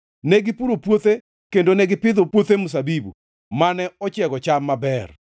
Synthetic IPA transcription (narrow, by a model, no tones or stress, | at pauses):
nɛɡɪpuɾopwot̪e | kendonɛɡɪpɪd̪opwot̪emus̬abibṵ | manɛɔt͡ʃjɛɡɔt͡ʃamːabɛr